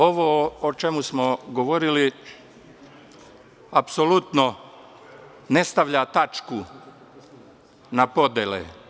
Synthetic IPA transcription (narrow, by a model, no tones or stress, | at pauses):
o̞ʋoot͡ʃe̞musmoɡoʋo̞ɾili | apsolut̪no | ne̞st̪aʋʎat̪at͡ʃku | napo̞d̪jelḛ